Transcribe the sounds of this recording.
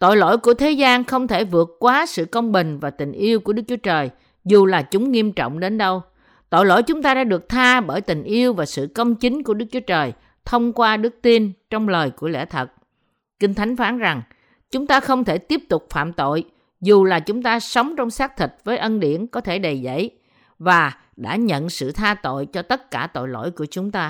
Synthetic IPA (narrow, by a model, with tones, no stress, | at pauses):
t̪o̰˧˨jlo̰˧˥˨jku˧˩ət̪ʰe˨˦zaː˧nxə˧wŋ͡mt̪ʰe˧˩vɨ˨˩ət̚kːwaː˨˦sɨ̰˧˨kə˧wŋ͡mɓï˨˩ŋ̟vaː˨˩t̪ï˨˩ŋ̟ʔi˧əwku˧˩əɗɨ˦˥k̚t͡ɕu˨˦t͡ɕəː˨˩j | zu˨˩laː˨˩t͡ɕʊ˨˦ŋ͡mːi˧əmt͡ɕɔ̰˧˨wŋ͡mɗe˨˦nɗə˧w | t̪o̰˧˨jlo̰˧˥˨jt͡ɕʊ˨˦ŋ͡mt̪aː˧ɗaː˧˥ɗɨ˨˩ək̚t̪ʰaː˧ɓəː˧˩jt̪ï˨˩ŋ̟ʔi˧əwvaː˨˩sɨ̰˧˨kə˧wŋ͡mt͡ɕï˨˦ŋ̟ku˧˩əɗɨ˦˥k̚t͡ɕu˨˦ə˦t͡ɕəː˨˩j | t̪ʰə˧wŋ͡mkwaː˧ɗɨ˦˥ək̚t̪i˧nt͡ɕɔ˧wŋ͡mləː˨˩jku˧˩əlḛ˧˥t̪ʰə˨˩t̚ | kï˧ŋ̟t̪ʰa˨˦jŋ̟faː˨˦nza˨˩ŋ | t͡ɕʊ˨˦ŋ͡mt̪aː˧xə˧wŋ͡mt̪ʰe˧˩t̪i˦˥əp̚t̪ʊ˨˩k͡p̚fa̰ː˧˨mt̪o̰˧˨j | zu˨˩laː˨˩t͡ɕʊ˨˦ŋ͡mt̪aː˧sə˨˦wŋ͡mt͡ɕɔ˧wŋ͡msaː˦˥k̚t̪ʰï˨˩t̚vəː˨˦jʔə˧nɗḭ˧˩ənkɔ˨˦t̪ʰe˧˩ɗə˨˩jzə̰˧˥˨j | vaː˨˩ | ɗa̰ː˧˥ɲə̰˧˨nsɨ̰˧˨t̪ʰaː˧t̪o̰˧˨jt͡ɕɔ˧t̪ə˦˥t̚kaː˧˩t̪o̰˧˨jlo̰˧˩˨jku˧˩ət͡ɕʊ˨˦ŋ͡mt̪aː˧